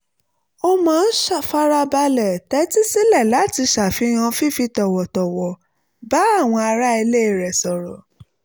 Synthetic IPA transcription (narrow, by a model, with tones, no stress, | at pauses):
o˦mãː˨˦ʃa˦˨fa˦ɾa˧ba˧lɛ˨tɛ˨˦ti˦si˦lɛ˦˨la˨˦ti˧ʃa˨fi˨˦j̃ã˧fi˦˨fi˧tɔ˨wɔ˨tɔ˨wɔ˨ | ba˨˦a˦˨w̃ɔ̃˧a˧ɾa˦i˧le˦˨ɾɛ˨sɔ˨ɾɔ˨